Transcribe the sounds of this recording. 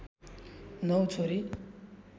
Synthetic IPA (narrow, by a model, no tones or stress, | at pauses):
nʌwt͡sʰoɾi